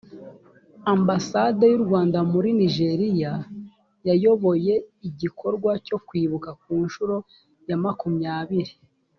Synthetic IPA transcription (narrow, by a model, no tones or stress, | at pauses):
ambasadejuɾɡwaːndamuɾiniʒe̞ɾija | jajo̞βo̞je̞iɟikʰo̞ɾɡwaco̞kwiːβukak̚uːnʃuɾo̞ | jamakumɲaːβiɾi